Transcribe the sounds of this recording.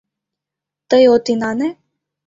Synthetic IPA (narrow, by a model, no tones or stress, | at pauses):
t̪əjot̪inane